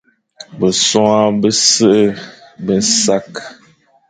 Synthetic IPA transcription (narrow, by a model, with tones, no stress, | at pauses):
bə˨sɔ˦a˦bə˦sə˦ʔə˦bə˦n˦sa˦k